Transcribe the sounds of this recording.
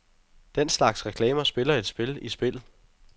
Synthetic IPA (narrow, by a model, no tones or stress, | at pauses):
d̥en̰slɑ̈ɡ̥sʁɛkʰlɛːmɐsb̥e̝lɐe̝d̥sb̥e̝lisb̥e̝l